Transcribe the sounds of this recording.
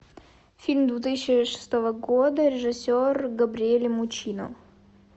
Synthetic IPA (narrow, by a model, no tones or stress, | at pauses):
fʲilʲmd̪vʲʊt̪ɨsʲɕɪʂɨ̥st̪ovəɡod̪əɾʲɪʐɨsʲorɡəbɾʲɪelʲɪmʊt͡ɕinə̰